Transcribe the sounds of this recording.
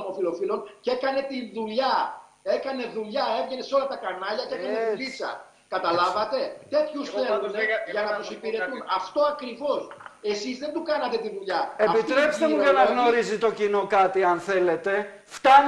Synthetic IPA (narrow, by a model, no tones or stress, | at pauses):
ot̪ofilo̞filo̞nce̞kɐne̞t̪inðuʎɐ | e̞kɐne̞ðuʎɐe̞vʝe̞ne̞seo̞lɐt̪ɐkɐnɐʎɐce̞kɐnet̪lisɐ̰ | kɐt̪ɐlɐvɐt̪e̞t̪e̞t̪çusθeluneʝɐnɐt̪usipiɾe̞t̪unɐft̪o̞ɐkɾivo̞se̞sizðe̞nd̪ukɐnɐt̪e̞t̪iðuʎɐeɐpit̪ɾepst̪emuʝenɐɣno̞ɾizit̪o̞cino̞kɐt̪iɐnθe̞le̞t̪e̞ft̪ɐn